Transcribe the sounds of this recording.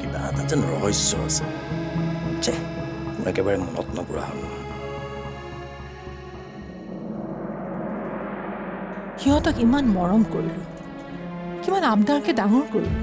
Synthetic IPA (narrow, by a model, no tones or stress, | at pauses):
kiba̰a̰tazɛnɹɔ̰ɦɔjsɔ̰ɹa̰sɛ | t͡ʃɛkunɛkɛbaɹɛmɔnɔtnɔkʊɹa̰ɦa̰na̰ | xiɦɔtɔkimanmɔɹɔmkoɹilʊ | kimbanabdaɹkɛdaŋɔɹkoɹḭʊ